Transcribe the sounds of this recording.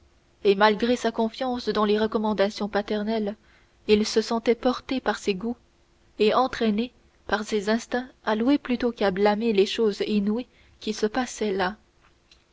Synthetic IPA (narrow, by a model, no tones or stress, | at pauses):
emalɡʁesakɔ̃fjɑ̃sd̪ɑ̃leʁəkɔmɑ̃d̪asjɔ̃pat̪ɛʁnɛl | ilsəsɑ̃t̪ɛpɔʁt̪epaʁseɡu | eɑ̃t̪χɛne | paʁsezɛ̃st̪ɛ̃alweplyt̪okablameleʃoːzinwi | kʲisəpasɛla